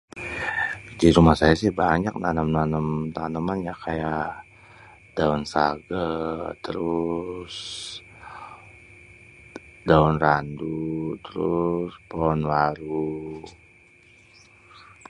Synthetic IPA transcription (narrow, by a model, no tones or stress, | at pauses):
d͡ʒiɾumahsajasɪhbaɲak̚nanəmnanəmt̪anəmanjakaja | daunsa̰ɡat̪əɾʊs | daunrandut̪əɾʊspɔnwaɾu